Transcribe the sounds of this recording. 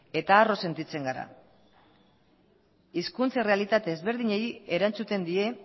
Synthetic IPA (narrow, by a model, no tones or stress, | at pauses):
e̞t̪aːro̞se̞nt̪it͡se̞ŋɡaɾa̰ | iskunt͡sare̞alit̪at̪e̞ːzβe̞ɾð̞iɲe̞je̞ɾant͡sut̪e̞nd̪ie̞